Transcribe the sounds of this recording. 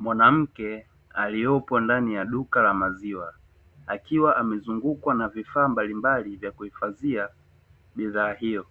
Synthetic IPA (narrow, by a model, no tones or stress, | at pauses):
mwanam̩kɛ | aliɔpɔndanijaɗukalamaziwa | akiwaʔamɛzuŋɡukwanavifaːmbalimbalivjakuhifazia | ɓiðaːhijɔ